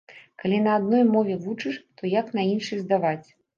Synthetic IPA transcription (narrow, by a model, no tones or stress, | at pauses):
kalʲinɐːd̪̚nɔjmɔvʲɛvut͡ʂɨʂt̪ʰɔjaknɐinʂɨjzd̪avat͡sʲ